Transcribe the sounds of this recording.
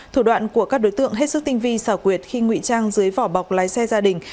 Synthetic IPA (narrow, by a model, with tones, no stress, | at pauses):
t̪ʰu˧˩ɗwa̰ː˧˨nku˧˩əkaː˦˥k̚ɗo˨˦jt̪ɨ̰˧˨əŋɦe˦˥t̚sɨ˦˥k̚t̪ï˧ŋ̟vi˧saː˧˩kwi˨˩ət̚xi˧ŋwḭ˧˨t͡ɕaː˧ŋzɨ˨˦əjvɔ˧˩ɓa˨˩wk͡p̚laː˨˦jsɛ˧zaː˧ɗï˨˩ŋ̟